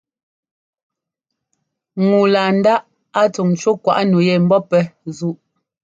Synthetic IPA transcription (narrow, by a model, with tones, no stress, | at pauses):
ŋu˨laː˨n̩˦da˦ʔ | a˦t͡su˨ŋ̩˨t͡ʃwo˦kwa̰˨ʔnu˨jɛ˨m̩˦bɔ˦pɛ˦zu˦˨ʔ